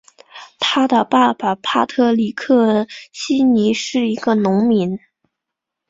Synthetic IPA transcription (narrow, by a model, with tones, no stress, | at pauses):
t̪ʰa˥d̪ə˨pa˥˩ba˩pʰa˥t̪ʰɤ˥˩li˨˩kʰɤ˥˩ɕi˥ni˧˥ʂɻ̩˥˩i˧˥ɡ̥ə˧nʊ˧˥ŋmi˧˥n